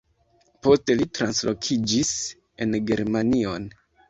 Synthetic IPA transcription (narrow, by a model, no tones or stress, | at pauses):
po̞ste̞litɾanslo̞kʰid͡ʒis | e̞nɡe̞ɾmanio̞n